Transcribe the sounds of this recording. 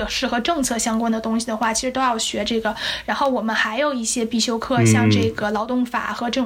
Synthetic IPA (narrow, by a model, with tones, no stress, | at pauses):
ɤ˨˩ʂɻ̩˥˩xɤ˧˥ʈ͡ʂɤ˥˧ŋt͡sʰɤ˥˩ɕjɑ˥ŋkwa˥nd̪ə˨t̪ʊ˥ŋɕi˨d̪ə˩xwa˥˩t͡ɕʰi˧˥ʂɻ̩˧˥t̪o˥ʊjɑ˥˩ʊɕɥɛ˧˥ʈ͡ʂɤ˥˩ɡə˩ɻa˧˥nxo˥˩ʊwɔ˨˩mə˦nxa˧˥ɪjo˨˩ʊi˥˩ɕjɛ˥pi˥˩ɕjo˥ʊkʰɤ˥˧ɕjɑ˥˧ŋʈ͡ʂɤ˥˩ɡə˩lɑ˧˥ʊt̪ʊ˥˩ŋfa̰˨˩xɤ˧˥ʈ͡ʂɤ˥˩